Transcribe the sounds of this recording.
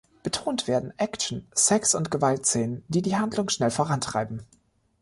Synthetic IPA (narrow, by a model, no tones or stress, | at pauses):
b̥ətʰoːntv̥eːɐdn̩ʔɛkʃn̩sɛksʊntɡ̥əvaltseːnəndiːdiːɦandlʊŋʃnɛlfoːʁantʁ̥a̰ɪbm̩